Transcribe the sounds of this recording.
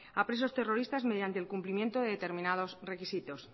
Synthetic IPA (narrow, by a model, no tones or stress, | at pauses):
apɾe̞s̬o̞st̪e̞ro̞ɾist̪azme̞ð̞jant̪elkumplimje̞nt̪oðe̞ðe̞t̪e̞ɾmĩnað̞o̞sre̞kisit̪o̞s